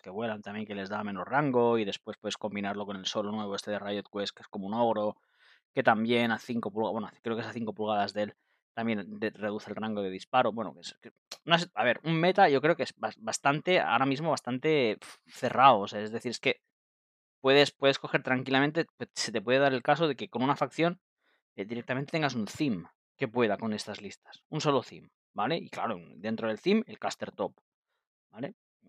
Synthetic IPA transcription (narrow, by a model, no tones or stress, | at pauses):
ke̞βwe̞lant̪ambje̞ŋke̞le̞zðame̞nosraŋɡo̞iðe̞spwe̞spwe̞ðe̞sko̞mbinaɾlo̞ko̞ne̞lso̞lonwe̞βe̞st̪e̞ðerajot̪̚kwe̞skeesko̞mouno̞ɣ̞ɾo̞ | ke̞t̪ambje̞naθiŋko̞pulɣawenokɾekeesaθiŋko̞pulɣaðazðe̞l | t̪ambje̞nd̪ere̞ð̞uθelraŋɡo̞ðe̞ðispaɾo̞βwe̞no̰keske | noas̬aβe̞ɾumme̞t̪aʝo̞kɾe̞o̞keesbasbast̪ant̪e̞a̰oɾamizmo̞β̞ast̪ant̪e̞ | θe̞rawoseaezðe̞θiɾe̞ske̞ | pwe̞ðe̞spwe̞ð̞e̞sko̞xe̞ɾt̪ɾaŋkilament̪e̞peset̪e̞p̬we̞ðe̞ðaɾe̞lkas̬o̞ðe̞ke̞ko̞nunafak̚θjo̞n | ed̪iɾe̞k̚t̪ament̪eŋɡasunθim | ke̞pwe̞ðako̞ne̞st̪azlist̪ḁsunso̞lo̞θḭm | bale̞ikla̰ɾond̪e̞nt̪ɾo̞ð̞e̞lθime̞lkast̪e̞ɾt̪o̞p | bale̞